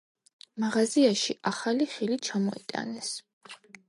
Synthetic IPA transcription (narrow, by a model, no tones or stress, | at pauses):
maʁaziaʃiʔaχaliχilit͡ʃʰamɔit̪ʼa̰nɛs